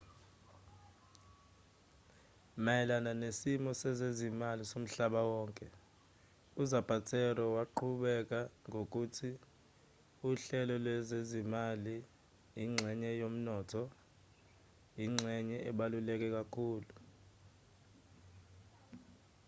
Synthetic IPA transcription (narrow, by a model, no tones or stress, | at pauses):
majɛlananesimɔsɛzezimalisom̩ɬaɓawɔːŋkʼɛ | uzab̥ʱatʰɛrɔwaǃʰuɓɛk̬ʼaŋok̬ʼutʰi | uɬɛlɔlwɛzezimali | jiŋ͡ǀʱɛɲɛjom̩nɔːtʰɔ | jiŋ͡ǀʱɛɲɛʔɛɓalulɛk̬ʼɛk̬ʼakʰuːlu